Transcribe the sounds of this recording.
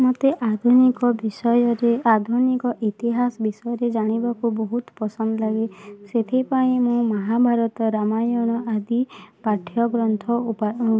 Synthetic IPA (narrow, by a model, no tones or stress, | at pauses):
mɔt̪eʔad̪ʱunikɔbisɔjɔɾead̪ʱunikɔʔit̪iɦasbisɔjɔɾed͡ʒaɽ̃ibakubɔɦut̪pɔsɔnd̪ɔlaɡeset̪ʰipaĩmũmɔɦabʱaɾɔt̪ɔɾamajɔñɔʔad̪ipaʈʰjɔɡɾɔnt̪ʰɔupa